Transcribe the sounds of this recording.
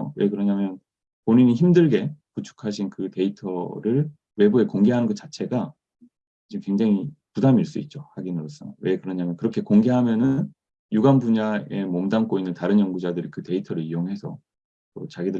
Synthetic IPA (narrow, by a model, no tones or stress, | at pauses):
we̞kɯɾʌɲamjʌn | poɲiɲiçimdɯɭɡe̞put͡ɕʰu̥kʰaɕʰinkɯte̞itʰʌɾɯɭ | we̞bue̞koŋɡe̞ɦanɯnɡʌt̚t͡ɕ͈at͡ɕʰe̞ɡa | d͡ʑimkwe̞ŋd͡ʑaŋipudamiɭs͈uit̚t͡ɕ͈ohaɡinɯɾʌs͈ʌjwe̞kɯɾʌɲamjʌnkɯɾʌkʰe̞koŋɡe̞ɦamjʌnɯn | juɡanbuɲae̞mʌmdank͈oinːɯntaɾɯnjʌŋɡud͡ʑadɯɾikɯte̞itʰʌɾɯɭijoŋɦe̞sʰʌ | t͈ot͡ɕaɡidɯ